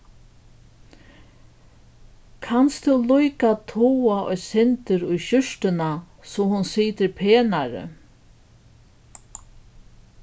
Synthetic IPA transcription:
kʰanst̪ʰʊwlujkat̪ʰuːaʔɔ̰jsɪnt̪ɪɾʊjʃʏʂt̪ɪna | sɔhʊnsiːt̪ɪɾpʰeːnaɾɪ̰

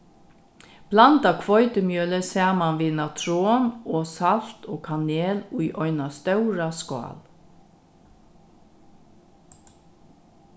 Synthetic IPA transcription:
b̥lɑnt̪ɑkʰʋɔʏt̪əmjøːləsæːmɑnʋiːnɑt̪ʰɾoːmoːsɑlt̪oːkʰɑneːlʊːʔɔʏnɑst̪œʉɾɑskɑ̰ːl

